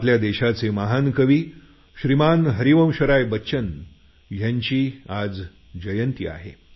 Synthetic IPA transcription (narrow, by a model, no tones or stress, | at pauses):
pljad̪eɕat͡semaɦankəʋiː | ɕɾimanɦəɾiʋə̃w̃ɕəɾajbəːt͡ɕən | jãɲt͡ɕiːad͡z | d͡ʑəjənt̪ia̰ɦḛ